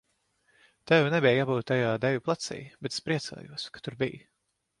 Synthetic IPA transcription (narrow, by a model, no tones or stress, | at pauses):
t̪ɛwnɛbɛjɡabuːt̪ːajaːd̪ɛvʲuplˠat̪sɛ̰ːjbɛt̪spɾiɛt̪sa̰ːjṵɔskḁt̪uɾbij